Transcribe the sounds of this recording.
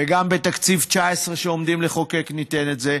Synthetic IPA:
eɡambe̞t̪akt͡sivt͡ʃaesʁeʃeo̞md̪imleχo̞keknit̪enetze̞

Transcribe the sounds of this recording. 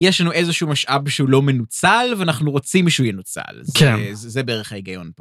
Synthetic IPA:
jeʃlanuʔezeʃumaʃʔabʃeulo̞menut͡salveanaχnuʁot͡simʃehujenut͡sa̰lzkenzzebeeʁeχhaiɡajo̞npo

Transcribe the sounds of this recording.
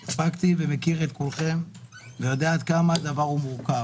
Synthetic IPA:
spakt̪ivemekiʁe̞t̪̚kolχe̞m | vejo̞d̪aaːt̪kamadavaʁumuʁka

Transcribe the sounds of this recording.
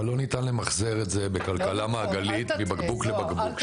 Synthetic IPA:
lo̞nitanlemaχzeʁetze̞be̞kalkalamaːɡalit̪mibaɡbuklebaɡbuk

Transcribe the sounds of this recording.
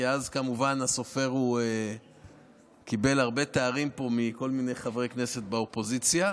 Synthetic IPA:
eazkamuvanaso̞fe̞ʁue | kibe̞laʁbe̞t̪eaʁimpo̞miko̞lmine̞jχavʁekne̞se̞t̪̚baopo̞zit͡sja

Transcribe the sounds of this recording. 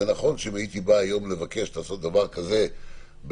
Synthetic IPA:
enaχo̞nʃeimait̪ibaːjo̞mle̞vake̞ʃtlaːso̞t̪̚d̪avaʁkaze̞ | b

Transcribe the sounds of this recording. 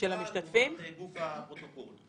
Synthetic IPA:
elamiʃt̪at̪fimɡufapʁot̪okol

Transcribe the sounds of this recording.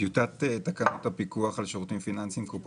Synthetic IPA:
jut̪at̪et̪akanot̪apikuaχalʃoʁt̪imfinansimkop

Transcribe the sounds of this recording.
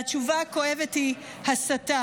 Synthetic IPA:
at͡ʃuvako̞evethi | hasata

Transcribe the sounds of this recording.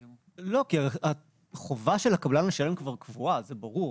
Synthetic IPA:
lo̞kiaa | χovaʃelakablanleʃale̞mkvaʁkvuazebɐʁuʁ

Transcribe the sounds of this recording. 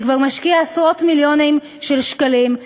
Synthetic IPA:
kvaʁmaʃkiaasʁo̞tmiljonim | ʃelʃkalim

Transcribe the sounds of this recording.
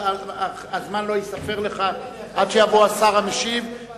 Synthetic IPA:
a | azmanlo̞jisafe̞ʁle̞χa | ʔadʃejavoasaʁameʃiv

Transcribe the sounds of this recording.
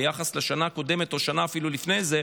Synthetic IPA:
jaχasleʃanaːko̞de̞me̞t̪o̞ʃanaːfilulifnejze

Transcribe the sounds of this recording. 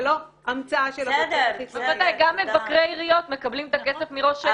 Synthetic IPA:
lo | amt͡saaʃeltivaddajɡamːevakʁeiʁijo̞t̪me̞kablimet̪akesefmiʁo̞ʃe

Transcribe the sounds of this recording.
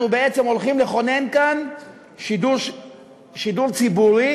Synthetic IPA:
nubeet͡semo̞lχimleχo̞ne̞nkan | ʃiduʃ | ʃiduʁt͡sibuʁi

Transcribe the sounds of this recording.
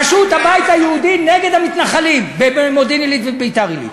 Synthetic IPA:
aʃut̪habajt̪hajeud̪ineɡed̪hamit̪naχalimbebemod̪inilit̪vebet̪aʁilḭt̪

